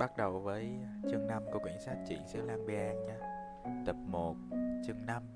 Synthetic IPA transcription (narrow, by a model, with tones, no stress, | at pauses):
ɓa˦˥t̚ɗə˨˩wvəː˨˦jt͡ɕɨ˨˧˩əŋna˧mkɔ˨˦kwḭ˧˩ənsaː˦˥t̚t͡ɕḭ˧˩sɨ̰˧˥əlaː˧ŋɓi˧ʔaː˧ŋɲaː˧ | t̪ə˨˩p̚mo˨˩t̚t͡ɕɨ˨˧˩əŋna˧m